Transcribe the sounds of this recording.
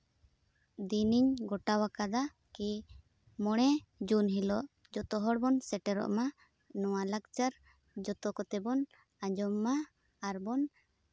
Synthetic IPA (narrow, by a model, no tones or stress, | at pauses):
d̪iniɲɡɔʈawakad̪a | ki | mɔɽ̃ɛd͡ʒunɦilɔʔ | d͡ʒɔt̪ɔɦɔɽbɔnsɛʈɛɾɔ̰ʔma | nɔwalakt͡ʃaɾ | d͡ʒɔt̪ɔkɔt̪ɛbɔn | ad͡ʒɔmːaː | ɾbɔn